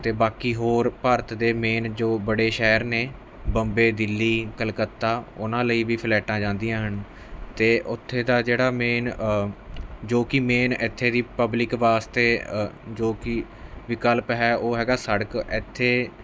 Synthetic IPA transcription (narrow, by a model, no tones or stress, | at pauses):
t̪eːbaːkiːɦoːɾpəːɾət̪d̪eːmeːnd͡ʒoːbəɽeːʃɛːɾneː | bəmbeːd̪ɪlːiːkəlkət̪ːaːʊnãːləiːʋiːpʰɪlɛːʈãːd͡ʒãːnd̪ijãːɦən | t̪eːʔʊt̪ʰːeːd̪aːd͡ʒeːɽaːmeːn | d͡ʒoːkɪmeːnɪt̪ʰːeːd̪iːpəblɪkʋaːst̪eːd͡ʒoːkɪ | ʋɪkəlpɦɛːʔoːɦɛːɡaːsəɽəkɪt̪ʰːeː